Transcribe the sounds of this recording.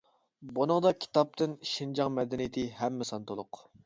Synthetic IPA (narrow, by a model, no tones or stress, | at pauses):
bunɨŋd̪ɑkʲʰi̥t̪ɑp̚t̪ɨnʃind͡ʒɑŋmɛd̪ɪnɪjit̪ʰɪɦɛmːɪsɑnt̪ʰolˠʊq